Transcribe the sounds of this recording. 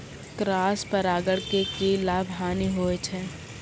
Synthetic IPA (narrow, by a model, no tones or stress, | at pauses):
kɾaːspəɾaːɡəɽkekilaːbʱɦaːniɦoːet͡ʃʰɛː